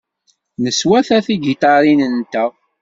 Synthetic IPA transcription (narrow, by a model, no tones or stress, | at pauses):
nəswæθæθiɡit̪ɑɾinənt̪æ